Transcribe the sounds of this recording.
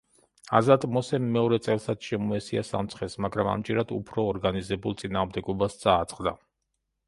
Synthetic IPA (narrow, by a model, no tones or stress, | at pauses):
a̰zat̪ʼmɔsɛmːɛɔɾɛt̪sʼɛlˠsat̪sʃɛmɔɛsia̰sa̰mt̪sʰχɛsmaɡɾama̰md͡ʒɛɾad̪ṵpʰɾɔːɾɡanizɛbulˠt̪sʼinaːʁmd̪ɛɡɔbast̪sʼaːt̪sʼqʼd̪a